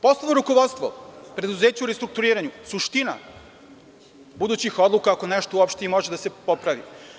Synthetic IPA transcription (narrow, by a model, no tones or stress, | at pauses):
po̞slˠonoɾukoʋo̞t̪st̪ʋo̞pɾe̞d̪uzeːt͡ɕauɾest̪ɾuk̚t̪uɾiːɾaɲusuʃt̪ina̰ | bud̪uːt͡ɕixo̞d̪lˠukaːko̞neʃt̪ouopʃt̪eimo̞ʒed̪ase̞po̞pɾaʋḭ